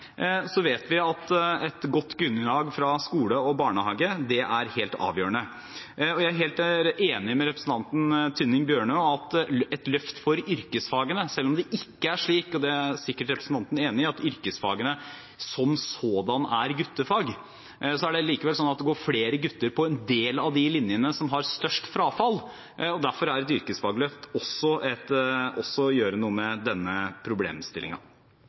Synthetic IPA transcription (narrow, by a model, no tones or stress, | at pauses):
sɔʋeːt̪ʋɪɑt̪ɛt̪ɡɔt̪ːɡɾʉnːəlɑːɡfɾɑskuːləɔbɑːɳəhɑ̰ːɡəd̪ɛʔæɾheːlt̪ɑ̰ːʋjøːɾəɳnə | ɔjæɪæɾɦeːlt̪æɾeːnɪmɛɾɛpɾəsn̩t̪ʰɑnt̪n̩t̪ʰʏnːɪŋbjøːɳøːɑt̪ɛt̪lœft̪fɔɾʏɾkəsfɑːɡənəsɛlːɔmd̪ɛʔɪkːəæʂɭiːkɔd̪ɛæɾsɪkːəʈɾɛpɾəsn̩t̪ɑnt̪n̩eːnɪɑt̪ʏɾkəsfɑ̰ːɡənə | sɔmsoːd̪ɑnæɾɡʉt̪ːəfɑːɡ | sɔæɖɛliːkəʋɛlsɔnːɑt̪̚d̪ɛɡoːɾfleːɾəɡʉt̪ːəɾpʰɔɛnd̪eːlɑʋd̪ɪlɪnjənəsɔmɦɑɾst̪œʂʈfɾɑːfɑlː | ɔd̪æɾfɔɾæɾɛt̪ʏɾkəsfɑːɡlœft̪ɔsːɔʔɛt̪ɔsːɔjøːɾənuːəmɛd̪ɛnːəpʰɾʊblḛːmst̪ɪ̰lʔɪ̰ŋɑ̰